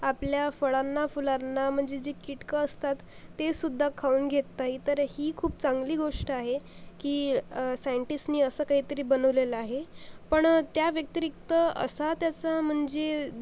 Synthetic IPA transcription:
apljafəɭanːafulaɾnːam̤əɳd͡zed͡ʑekiʈkəəst̪at̪ː | esud̪ʱːakʰauːnɡʱet̪ːait̪əɾhiːkʰuːp̚t͡saŋɡliːɡoʂʈəaɦekiːsajəɳʈisʈniːəsəːkaɦiːt̪əɾiːbənəʋleləaɦepəɳt̪jaʋjək̚t̪ɾik̚t̪əə̰sat̪jat͡sam̤əɳd͡ze

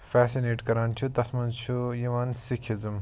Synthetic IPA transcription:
fɛːsineːʈkɐɾaːnt͡ʃ̪ʰut̪ɐsmɐnt͡ʃʰujiʋansikʰizɨm

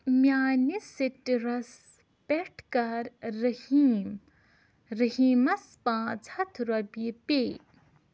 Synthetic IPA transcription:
mjaːnisitɾɐs | peʈʰkɐɾːɐhiːm | ɾɐɦiːmɐspãːd͡zʰʱɐt̪ʰɾɐbipeː

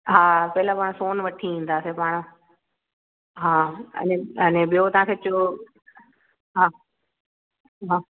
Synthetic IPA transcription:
ɦaːpɐɦɪlapaːɽ̃soːnʋɐʈʰiĩːn̆d̪aːsepaːɽ̃ | ɦãːɐ̰nẽɐnẽɓijot̪ɐʋãːkʰeːt͡ɕjo | ɦãː | ɦãː

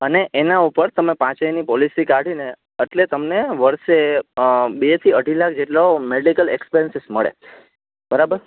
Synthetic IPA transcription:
əneʔenaupəɾt̪əmepãt͡ʃəjnipɔlisikaɽine | əʈlet̪əmneʋəɾʃe | bet̪ʰiəɖʱilak̚ʰd͡ʒeʈlomeɽikəlekspiɾənsɪsməɭḛ | bəɾabəɾ

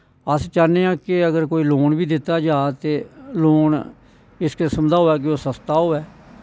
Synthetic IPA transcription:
əst͡ʃaːneːãːkɪəɡəɾkoːiːloːɳʋiːd̪ɪt̪ːaːd͡ʒaːt̪eːloːɳ | ɪskɪsəmd̪aːɦoːɛːk̬ɪoːsəst̪aːɦoːɛː

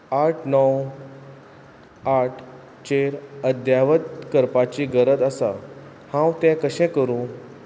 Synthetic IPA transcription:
aʈʰnɔw | aʈʰ | t͡ɕeɾəd̪jaʋəd̪kəɾpat͡ɕiɡəɾəd̪asa | hãwt̪ɛ̃kəɕɛ̃kəɾũː

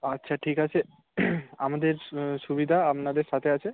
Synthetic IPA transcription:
atːɕʰaʈʰikat͡ɕʰe | amad̪eɾʃubid̪ʱaapnad̪eɾʃat̪ʰeat͡ɕʰe

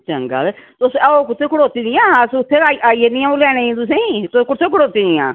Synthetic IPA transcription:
t͡ʃəŋɡa̰ːl | t̪ʊsoːkʊt̪ʰːeːkʰʊɽoːt̪iːd̪ɪjãːsʊt̪ʰːeːaːiʔaːiːed̪ɪjãolɛːɽ̃ẽːĩːt̪ʊs̬ẽːĩːt̪ʊskʊt̪ʰːẽːkʰʊɽoːt̪iːd̪ɪjã̰ː

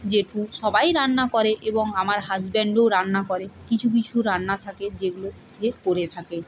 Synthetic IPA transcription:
d͡ʑeʈʰuʃɔbajɾanːakɔɾeʔeboŋamaɾɦad͡ʑbeɳɖowɾanːakɔɾekit͡ɕʰuk̬it͡ɕʰuɾanːat̪ʰaked͡ʑeɡulot̪ʰeɾkoɾet̪ʰake

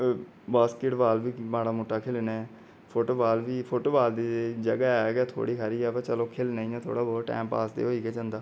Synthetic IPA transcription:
baːskeʈʋaːlʋiːmãːɽaːmoːʈːaːkʰelnaː | pʰoːʈoːbaːlʋiːpʰoːʈoːʋaːld̪iːd͡ʒəɡaːɛːɡɛːt̪ʰo̰ːɽiːkʰəɾiːɛːpɛːt͡ʃəloːkʰeːlnãːĩːãːt̪ʰo̰ːɽaːbɔːʈɛ̰̃ːmpa̰ːsd̪ḛːɦoːiːɡɛːd͡ʒãːnd̪aː

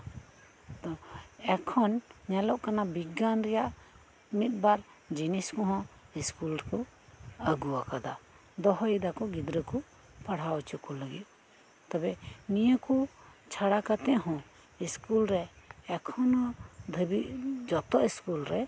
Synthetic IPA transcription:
t̪ɔɛkʰɔnɲɛlɔʔkanabiɡanɾɛjaʔ | mit̪̚ˀbaɾ | d͡ʒiniskɔɦɔ̃ | iskulɾɛkɔ | əɡuwakad̪a | d̪ɔɦɔjd̪akɔɡid̪ɾəkɔ | paɽ̤awt͡ʃukɔləɡit̪̚ | t̪ɔbɛnijəkɔt͡ʃʰaɽakat̪ɛ̃ʔɦɔ̃ | iskulɾɛɛkʰɔnɔ̃d̪ʱəbiʔd͡ʒɔt̪ɔʔiskulɾɛ

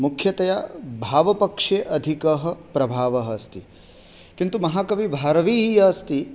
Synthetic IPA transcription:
mukʰjɐt̪ɐjabʱaːʋɐpɐkʂeːʔɐd̪ʱikɐɦɐ̆pɾɐbʱaːʋɐɦɐst̪i | kint̪umɐɦaːkɐʋibʱaːɾɐʋiːɦijɐst̪i

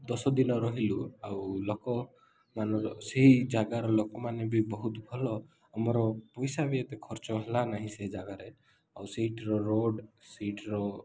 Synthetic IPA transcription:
d̪ɔsɔd̪inɔɾɔɦiluawlɔkɔ | manɔɾɔseɦid͡ʒaɡaɾɔlokɔmanebibɔɦut̪bʱɔlɔ | amɔɾɔpɔjsabiet̪ekʰɔɾt͡ʃɔɦelanaɦĩseɦid͡ʒaɡaɾe | awseɦiʈɾɔɾoɖsiʈɾɔ

